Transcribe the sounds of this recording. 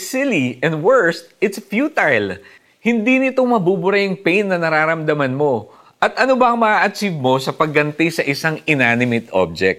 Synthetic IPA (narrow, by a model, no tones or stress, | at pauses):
sɪliʔɛ̃nd̪wɛɹst̪̚ɪt̪sfjuːt̪ajl | hɪnd̪inɪt̪oŋmɐbubʊɾajɐŋpɛjnːɐnɐɾaːɾɐmd̪ɐmɐnmo̞ | ʔɐt̪ʔɐno̞bɐʔɐŋmɐʔaːʔɐt͡ʃiv̚mo̞sɐpɐɡ̚ːɐnt̪ɪjsɐʔɪsaŋɪnaːnɪmɪt̪ʔo̰b̚d͡ʒɛk̚t̪̚